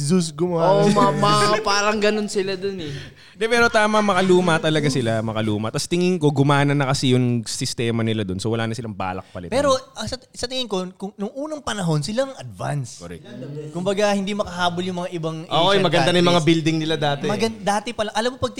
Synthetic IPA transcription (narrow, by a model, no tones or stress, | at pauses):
zusɡʊmamɐpaːɾɐŋɡɐnonsɪlad̪onɛ | d̪ɛpɛːɾo̞t̪aːmɐmɐkɐluːmɐt̪ɐlɐɡasɪlamɐkɐluːmɐt̪ɐst̪ɪŋɪŋko̞ɡʊmaːnɐnːɐkɐsɛjʊŋsɪst̪ɛːmɐnɪlad̪o̞nsowɐlaːnɐsɪlaŋba̰ːlɐ̰k̚pɐlɪ̰t̪pɛɛːɾo̞ʔɐsɐt̪sɐt̪ɪŋɪŋko̞kʊŋnʊŋʔuːnɐŋpɐnɐɦo̞nsɪlaŋɐd̪̚va̰nskoɾɛ̰k̚kʊmbɐɡahɪnd̪imɐkɐɦaːboljʊŋmɐŋaʔɪbaŋʔoʔojmɐɡɐnd̪anɐjʊmɐŋabild̪ɪŋnɪlad̪aːt̪ɛmɐɡɐnd̪aːt̪ɪpɐlɐŋʔɐlɐmːopɐɡ̚t̪